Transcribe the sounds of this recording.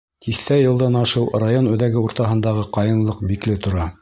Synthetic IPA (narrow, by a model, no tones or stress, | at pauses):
t̪ʰiθt̪æjɤ̆lˠd̪ɑnɑʃɤwrajonʉðæɡɘuɾt̪ɑɦɤ̆nd̪ɑʁɤqɑjɤ̆ɴlˠɤq̚biklɘt̪ŏɾɑ